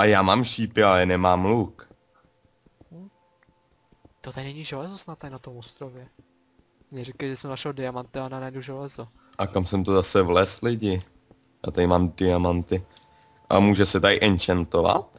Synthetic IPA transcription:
ʔajaːmaːmʃiːpɪalɛnɛmaːmluk | t̪ot̪adɪnɛɲiʒɛlɛzosnat̪ːaɾɪnat̪omost̪ɾovjɛ | mɲɛɾikajʒɛsɛmnaʃɛldɪjamant̪ɪananajduʒɛlɛzo | ʔakamsɛmt̪ozasɛvlɛslɪɟɪ | ja̰ːt̪adɪmaːmdɪjamant̪ɪ | ʔa̰muːʒɛsɛt̪aɪʔɛnt͡ʃant̪ova̰t̪

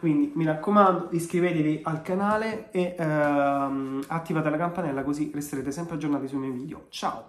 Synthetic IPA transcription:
kwind̪imiɾakːomand̪od̪iskɾiveːt̪eviʔalkanaːlee | at̪ːivaːt̪elakampanɛlːakozirest̪eɾeːt̪esɛmpɾead͡ʒːornaːt̪is̬ulmioviːd̪jo̰t͡ʃa̰ːo

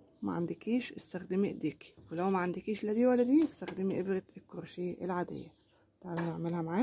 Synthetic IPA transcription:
ma̰ʕand̪ɪkiːʃʔɪst̪axd̪ɪmiʔɪd̪iːki̥wɪlawmaʕand̪ɪkiːʃlad̪iːwalːad̪iːʔɪst̪axd̪ɪmiʔɪbɾɪt̪ɪkːʊɾʃiːʔɪlʕaːd̪ɪ̰jːa | t̪aʕbbnɪʕmɪlhæmʕaː

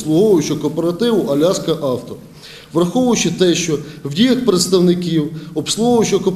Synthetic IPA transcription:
slˠʊɦɔʋʊjʊt͡ʃɔkɔpeɾɐt̪ɪwʊʔɐlʲɑskɐʔɑwt̪ɔ | ʋrɐxɔʋʊjʊt͡ʃɪt̪ɛʃt͡ʃɔwdʲijɐxpɾet̪st̪ɐwnɪkʲiwɔpslˠʊɔɦɔʋjʊt͡ʃɔkɔp

